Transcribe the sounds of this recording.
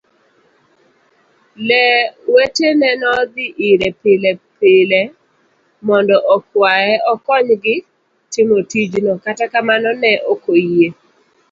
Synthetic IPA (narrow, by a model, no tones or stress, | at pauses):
lɛwetenɛnɔd̪ɪʔiɾepɪlɛpɪlɛ | mɔndɔʔɔkwajɛɔkɔɲɡɪ | tɪmotid͡ʒnɔkatakamanɔnɛʔokoje